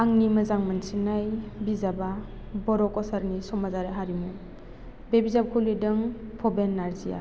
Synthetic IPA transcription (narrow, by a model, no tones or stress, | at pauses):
aŋnimɐzaŋmansinajbizaba | bɔɾɔkɔsaɾnisɔmazaɾaɦaɾimu | bebizab̚kʰulidɯŋpʰɔbenːaɾzija̰